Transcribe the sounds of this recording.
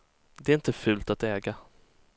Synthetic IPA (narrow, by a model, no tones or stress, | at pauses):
d̪ɛɾɪnt̪əfʉ̟ːlt̪at̪ɛːɡa